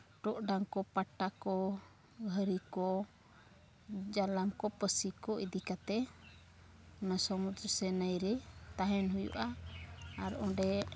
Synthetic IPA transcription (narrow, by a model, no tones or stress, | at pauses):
ʈɔʔɖaŋkɔpaʈakɔ | ɦəɾikɔ | d͡ʒalamkɔpəsikɔʔid̪ikat̪ɛ | ɔnasɔmud̪ɾəsɛnəjɾɛt̪aɦɛnɦujṵʔa | aɾɔ̃ɖɛ